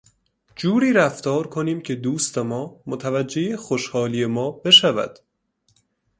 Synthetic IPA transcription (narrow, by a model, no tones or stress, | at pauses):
d͡ʒuːɾiːɾæft̪ɒːɾkʰo̞niːmcʰe̞d̪uːst̪emɒːmot̪ʰævæd͡ʒːe̞jexoʃhɒːliːe̞mɒːbe̞ʃævæ̰d̪̥